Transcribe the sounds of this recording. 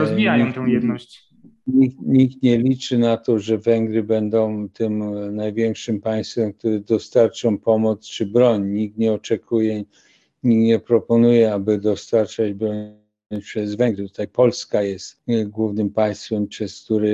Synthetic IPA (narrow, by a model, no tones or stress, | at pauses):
ɔzvʲijaj̪ɛjɛd̪nɔɕi̥ | ɲikɲikt̪ɲɛlʲit͡ʂɘnat̪ɔʐɛvɛŋɡɾɘbɛnd̪ɔ̃w̃t̪ɪmnajvʲjɛŋkʂɘmpaj̃st̪fɛmk̚t̪uɾɘd̪ɔst̪aɾt͡ʂɔ̃pɔmɔt̪st͡ʂɘbɾɔɲɲikt̪ɲɛɔt͡ʂɛkʰujɛ | ɲikɲɛpɾɔpɔnujɛabɘd̪ɔst̪aɾt͡ʂad͡ʑbɾɔɲ | pʂɛzvɛŋɡɾɛt̪ut̪ajpɔlskajɛst̪ɡwuvnɘmpaj̃st̪fɛmpʂɛsk̚t̪uɾɘ